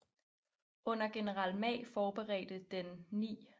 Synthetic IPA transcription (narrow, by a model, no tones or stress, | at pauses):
ɔ̽n̰ɐɡ̥e̝nəʁɑ̈l̰mɛ̰ɪfɒːb̥e̝ʁɛ̰ːd̥əd̥enːḭː